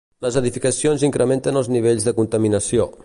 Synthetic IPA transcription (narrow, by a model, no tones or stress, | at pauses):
ləzəðifikəsionziŋkɾəment̪ənəlˠzniβ̞eʎzðəkunt̪əminəsio